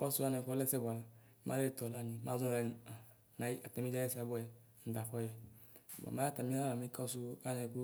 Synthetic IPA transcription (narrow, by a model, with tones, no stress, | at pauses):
kɔ˦su˦a˦nɛ˨kɔ˦lɛ˦sɛ˦ba˨la˨˦ | mʔa˦e˦e˨tɔ˨la˨nĩ˨˦ma˦zɔ̃˦˨lɛ˨a˨ | na˨˦a˨tɛ˦mĩ˦d͡ʒa˦jɛ˦si˨a˨˦bɔ˦jɛ˨ | n̩˨da˨fɔ˦jɛ˨b̰a̰˨ma˨˦ja˦ta˨mi˦a˦la˨mi˦ka˦su˦a˦nɛ˨ku˦